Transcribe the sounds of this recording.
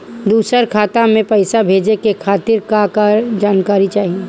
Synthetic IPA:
d̪uːsəɾkʰaːt̪ãmẽpɐɪsabʱeːd͡ʒekekʰaːt̪ɪɾkakad͡ʒaːnkaːɾit͡ʃaːɦie

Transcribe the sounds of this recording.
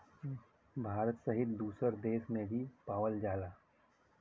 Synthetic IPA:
bʱaːɾət̪səɦɪt̪d̪uːsəɾd̪eːʃmẽbʱipaːʋəld͡ʒaːlaː

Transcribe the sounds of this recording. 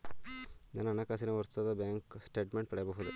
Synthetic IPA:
d̪ɐnːɐnɐkaːs̬inɐʋɐɾt̪ɐd̪ɐbjaːŋksʈeːʈmeɳʈ̚pɐɽɛjbɐɦud̪u

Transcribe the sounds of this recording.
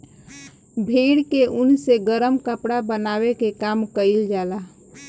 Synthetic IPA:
bʱeːɽkeʔʊnseɡəɾəmkəpɽabənaːwekekaːmkəɪld͡ʒaːla

